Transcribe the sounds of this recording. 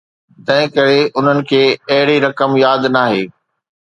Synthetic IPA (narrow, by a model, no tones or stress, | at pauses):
t̪ɐ̃ɦɪ̃kɐɾeʔʊn̤ənɪ̆kʰeːɐɦɪɽiɾɐkəmjaːd̪naːɦeː